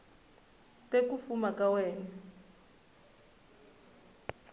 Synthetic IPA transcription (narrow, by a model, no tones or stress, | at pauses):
tek̬ufumakʼawɛːna